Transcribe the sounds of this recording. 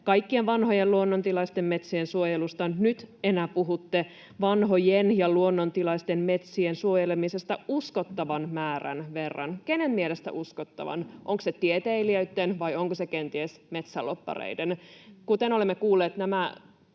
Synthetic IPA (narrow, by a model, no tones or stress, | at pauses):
kɑjkːienʋɑnho̞jeluonːont̪ilɑist̪emme̞t̪siensuojelust̪ɑnyt̪enæpuɦut̪ːe | ʋɑnɦo̞jenjɑluonːont̪ilɑist̪emme̞t̪siensuojelemise̞st̪ɑuskot̪ːɑʋɑnmæːræ̰nʋerːɑ̰nkenemmielest̪æ̰ʔuskot̪ːɑ̰ʋɑ̰nʔoŋkset̪iet̪eiliøyt̪ːenʋɑjoŋkosekent̪iesme̞t̪sælːopːɑ̰rḛidenkut̪eno̞lemːekuːlːeːt̪næmæ